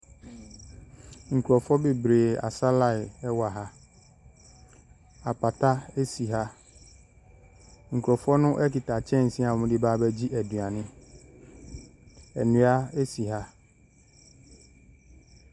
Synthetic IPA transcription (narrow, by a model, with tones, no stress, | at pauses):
ŋ̩˨kʰu˨ɾɔ˨fɔ˦be˨bɾeː˨a̰˨sa˦la˦ɪ˨ɛ˦wa˨ɦa˦ | a˨pʰa˨tʰa˦e˦si˨ɦa˦ | ŋ̩˨kʰu˨ɾɔ˨fɔ˦nʊ̃˦ʔɛ˦ki˨ta˨t͡ɕʰɛ̃˦˨n̩˨sĩ˦a˨ɔ˨mʊ̃˦dɪ˦baː˦bɛ˦d͡ʑi˦ʔæ˨dũ˨a˨nɪ̃˦ | ɛ̰˨nʊ̃˨˦a˦e˦si˨ɦa˦